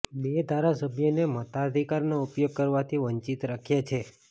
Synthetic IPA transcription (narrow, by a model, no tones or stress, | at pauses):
bed̪ʱaɾasəbʱjonemət̪aəd̪ʱikaɾnoupjoɡ̚kəɾʋat̪ʰiʋəɲt͡ʃit̪ɾakʰjat͡ʃʰe